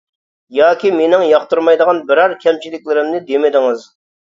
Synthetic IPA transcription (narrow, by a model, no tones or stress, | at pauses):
jɑːkʲimenɪŋjɑχt̪uɾmɑjd̪əʁɑnbɪɾɑɾkʲʰɛmt͡ʃʰilɪkʲlɪɾɪmnɪd̪emɪd̪ɪŋɨz